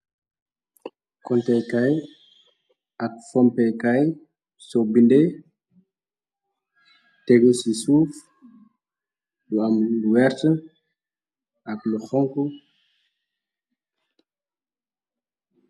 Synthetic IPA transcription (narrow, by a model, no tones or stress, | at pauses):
kɔntɛjkaj | ɐk̚fɔmpɛkaj | sɔbinde | tɛɡusisuːf | luamluwɛɾtə | akluxɔŋku